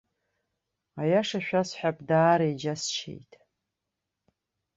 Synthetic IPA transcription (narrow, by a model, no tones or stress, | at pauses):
ajaʂaʃᶣasħʷᶣapʼdaːɾajd͡ʒast͡ʃʰḛjtʼ